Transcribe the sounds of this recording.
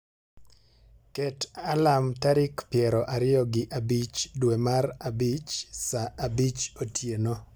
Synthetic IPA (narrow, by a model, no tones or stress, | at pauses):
kɛtalamtaɾɪkpjɛɾɔʔaɾɪjɔɡɪʔabit͡ʃdwɛmarabit͡ʃsaʔabit͡ʃotʰjeno